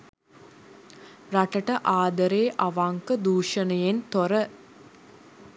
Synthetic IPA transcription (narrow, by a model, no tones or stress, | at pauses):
raʈəʈəʔaːd̪əɾeːʔaʋaŋkəd̪uːʂənəjent̪oɾə